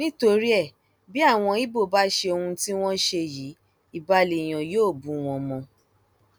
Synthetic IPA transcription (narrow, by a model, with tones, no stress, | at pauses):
nĩ˦to˧ɾi˦ɛ˦˨ | bi˦a˦˨w̃ɔ̃˧i˦bo˦˨ba˦ʃe˧o˧hũ˧ti˦w̃ɔ̃˦ʃe˧ji˨˦ | i˨ba˧le˨j̃ɔ̃˨joː˦˨bũ˨w̃ɔ̃˧mɔ̃˧